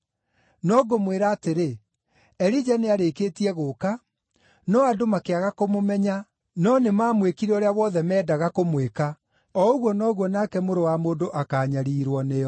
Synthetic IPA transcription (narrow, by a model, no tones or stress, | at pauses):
nɔɡomweɾaːteɾe | ɛɾid͡ʒaneaɾekeːtiɛɣoka | nɔadomakeaɣakomomɛɲa | nɔnemaːmwekiɾɛoɾeawɔðɛmɛːdaɣakomweka | ɔoɣwɔnɔɣwɔnakɛmoɾowamoːndoʔakaːɲaɾiːɾwɔnejɔ